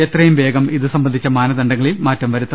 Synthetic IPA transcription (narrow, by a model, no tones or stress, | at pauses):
et̪rɐjumʋe̞ːɡɐmiðɨsɐmbɐnd̪ʱit͡ɕːɐmaːnɐd̪ɐɳɖɐŋːɐɭilmaːtːɐmʋɐɾut̪ːɐ